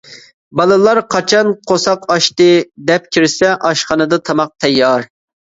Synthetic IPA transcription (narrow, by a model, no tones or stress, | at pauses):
bɑlˠɨlˠɑɾqʰɑt͡ʃʰɑnqʰosɑqɑʃt̪ɨd̪ɛp̚kʲʰiɾsɛʔɑʃχɑnɨd̪ɨt̪ʰɑmɑq̚t̪ʰɛjːɑɾ